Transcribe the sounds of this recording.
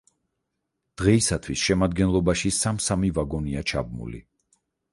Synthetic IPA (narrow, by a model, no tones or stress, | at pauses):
d̪̥ʁɛisat̪ʰwisʃɛmad̪̚ɡɛnlˠɔbaʃisamsamivaɡɔniat͡ʃʰa̰b̚mṵlḭ